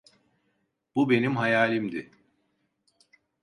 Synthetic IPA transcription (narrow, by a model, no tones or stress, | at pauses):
b̥ube̞nimɦajaːlʲimd̪ɪ